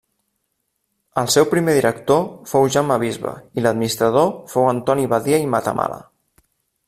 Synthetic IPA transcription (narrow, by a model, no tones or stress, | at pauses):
əlˠsɛwpɾimeðiɾək̚t̪ofowʒamːəβizβə̰iləd̪minist̪ɾəðofowənt̪ɔniβaðiəimat̪ə̰mʔa̰lə̰